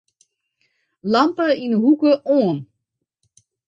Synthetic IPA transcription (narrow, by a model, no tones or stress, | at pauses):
lampəinɦukəʔoən